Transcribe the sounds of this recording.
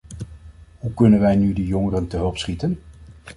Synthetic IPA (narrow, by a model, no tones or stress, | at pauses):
ɦukɵnənʋɛjnydəjɔŋərəntəɦɵlˠpsχitən